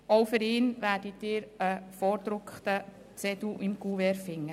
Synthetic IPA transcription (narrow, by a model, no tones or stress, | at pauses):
oʊfʏɾɪːnʋæːɾditːɪːɾəfɔɾd̥̪ɾʊkχtə | t͡sɛd̪uʔɪmkuʋɛɾfɪŋːə